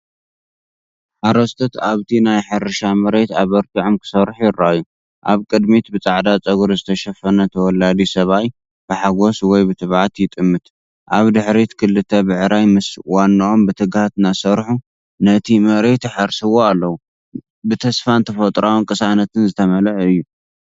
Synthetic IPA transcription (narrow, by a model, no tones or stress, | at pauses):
ħaɾɐst̪ʰɐt̪aβt̪ʰinajħɨɾɨʃamɐɾet̪aβɐɾt̪ʰiʕomkʰɨ̥sɐɾħjɪɾaajːu | ʔa̰βkʼɨd̪mit̪bɨt͡sʼaʕd̪at͡sʼɐɡuɾzɨt̪ʰɐʃɐfɐnɐt̪ʰɐwɔlad̪isɐβaj | b̥ɨħaɡoswɔjbɨt̪ʰɨβʕat̪jɪt̪ʼɨmːɨt̪ | ʔaβd̪ɨħɾit̪kʰɨlːɨt̪ʰɐbɨʕɨɾajmɨswanːɐʔombɨt̪ʰɨɡhat̪nasɐɾħu | nɐt̪ʰimɐɾet̪ħaɾsɨwoalːɐwu | bɨt̪ʰɐsfant̪ʰɐfɐt̪ʼɾawunkʼɨsanɐt̪ʰɨnzɨt̪ʰɐmɐlʕɨjːu